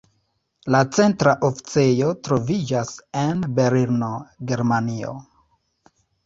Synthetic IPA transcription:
lat͡se̞ntɾaʔofi̥t͡se̞jo̞tɾo̞vid͡ʒasenbe̞ɾiɾno̞ɡe̞ɾmanio̞̰

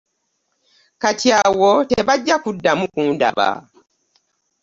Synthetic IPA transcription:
katiawoteβaɟːakudːamukunda̰βa̰

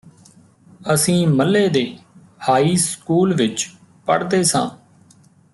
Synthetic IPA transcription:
əsĩːməlːeːd̪eː | haːiːskuːlʋɪt͡ʃ | pə̰ɽd̪eːsã̰ː

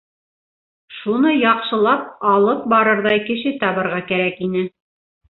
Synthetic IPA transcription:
ʃunɤjɑqʃɤ̆lˠɑp̚ɑlˠɤp̚bɑɾɤɾðɑjkɘ̆ʃɘt̪ɑβɤ̆ɾʁɑkæɾækinɘ

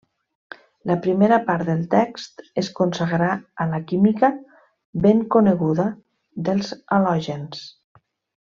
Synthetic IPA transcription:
ləpɾimeɾəpaɾt̪d̪əlˠt̪ɛkst̪eskonsəɣɾaələkimikə | beŋkoneɣuðə | ðəlˠzəlɔʒens

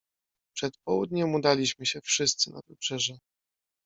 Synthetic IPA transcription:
pʂɛt̪pɔwud̪ɲɛmud̪alʲiɕmɘɕɛfʂɘst̪sɘna̰vɘpʂɛʐɛ

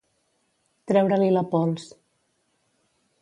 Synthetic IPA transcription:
t̪ɾɛwɾəliləpɔlˠs

